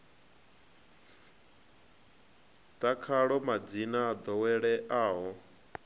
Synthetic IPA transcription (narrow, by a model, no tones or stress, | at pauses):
t̪akʰaɺɔmad͡zinaːd̪ɔwɛɺɛʔaːɦɔ